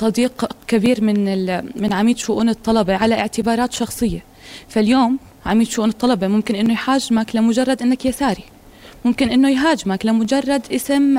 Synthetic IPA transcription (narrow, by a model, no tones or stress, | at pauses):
sˤɑd̪iːqkabiːɾmɪnɪmɪnʕamiːt̪ʃʊʔuːnɨt̪ˤːɑlɑbeʕalaʔɪʕt̪ɪbɑːɾˤɑːt̪ʃɑxsˤɨjːa | faljoːm | ʕamiːt̪ʃʊʔuːnɨt̪ˤːɑlɑbemʊmkɪnʔɪnːojħaːd͡ʒmaklamʊd͡ʒɑrˤːɑd̪ʔɪnːakjasaːɾi | mʊmkɪnʔɪnːojɦaːd͡ʒmaklamʊd͡ʒɑrˤːɑd̪ʔɪsɪm